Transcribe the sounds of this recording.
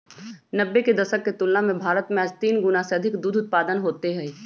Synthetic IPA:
nɐbːeked̪ɐʃəkːet̪ʊlːamẽbʱaːɾət̪mẽaːd͡ʒt̪iːnɡʊnaseɐd̪ʱɪkd̪uːd̪ʱʊt̪̚paːd̪ənɦoːt̪eɦɛ̃ː

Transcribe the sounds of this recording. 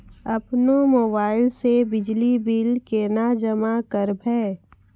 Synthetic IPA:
ɐpnomoːbaːɪlsebɪd͡ʒlibiːlkenad͡ʒəmakəɾbʱɛː

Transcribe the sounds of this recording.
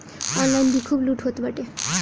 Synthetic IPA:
ɔnlajnd̪ikʰuːbluʈɦot̪bəʈe

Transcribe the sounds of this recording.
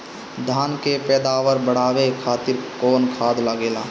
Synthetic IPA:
d̪ʱaːnkepɛːd̪aːʋəɾbəɽ̤aːʋekʰaːt̪ɪɾkoːnkʰaːd̪laɡeːlaː

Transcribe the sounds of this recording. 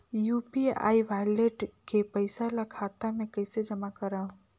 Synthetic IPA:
jupia̰ːiʋajleʈkepəɪsalakʰat̪amẽkəɪsed͡ʒəmakəɾaːũ

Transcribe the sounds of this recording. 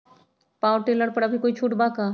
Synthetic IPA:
paːwʈeːləɾpɐɽabʱikoːit͡ʃʰuːʈbaːkaː

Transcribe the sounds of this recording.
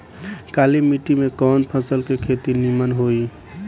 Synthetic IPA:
kalimiʈimekɔːnpʰəsəlkekʰet̪inimənɦoi

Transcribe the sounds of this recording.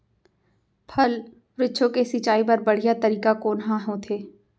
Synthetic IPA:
pʰɐl | ɾɪːʃʰõkesit͡ʃaːip̬ɐɾbɐɽ̤ijat̪ɐɾiːkakoːnɦãɦõt̪ʰeː

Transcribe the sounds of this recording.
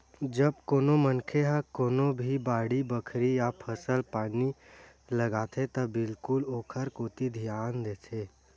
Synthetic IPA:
d͡ʒəb̚koːnomənkʰeɦəkoːnobʱibaːɽibəkʰɾijapʰəsəlpaːni | ləɡaːt̪ʰet̪ɐbɪlkʊloːkʰəɾkoːt̪id̪ʱijaːnd̪eːt̪ʰeː

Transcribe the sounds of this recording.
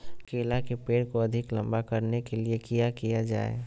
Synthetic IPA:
keːlakepeːɽkoɐd̪ʱɪklɐ̃mbakɐɾnekeliekijakijad͡ʒa̰ːḛ

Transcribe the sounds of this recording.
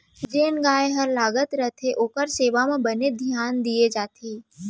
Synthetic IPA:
d͡ʒeːnɡaːeɦɐɾlaːɡət̪ɾət̪ʰeʔoːkəɾseːʋamẽbɐned̪ʱjaːnd̪ied͡ʒaːt̪ʰeː

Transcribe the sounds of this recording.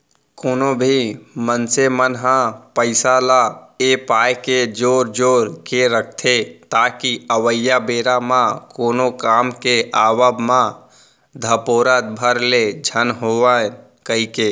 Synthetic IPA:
koːnobʱimənsemənɦãpəɪsalaepaːjked͡ʒoːɾd͡ʒoːɾkeɾək̚ʰt̪ʰet̪aːkiəʋəjabeːɾamãkoːnokaːmkeʔaːwəbmã | d̪ʱəpoːɾət̪̚bʱəɾled͡ʒʱənɦoːʋa | kəɦikeː

